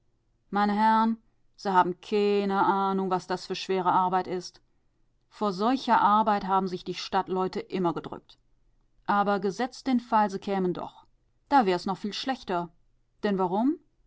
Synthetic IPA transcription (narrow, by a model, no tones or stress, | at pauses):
maɪnəɦɛʁn | z̥iːhaːbm̩kʰaɪnəʔaːnʊŋvasd̥asfyːɐʃv̥eːʁ̞əʔaɐbaɪtɪst | foːɐzɔlçɐʔaɐbaɪtɦaːbm̩zɪçd̥iːʃtatlɔʏtəʔɪmɐɡədʁʏ̰k̚t | ʔaːbɐɡəzɛt͡std̥enfalziːkʰɛːməndɔ̰χ | d̥aːvɛːɐɛsnɔχfiːlʃlɛçtɐ | d̥ɛnvaʁʊm